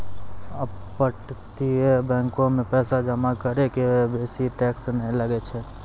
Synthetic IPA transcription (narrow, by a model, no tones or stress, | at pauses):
əbpəʈt̪iebɛ̃ːŋkõmẽpɛːsad͡ʒəmakəɾekebeːsiʈɛːksnəɦĩləɡet͡ʃʰɛ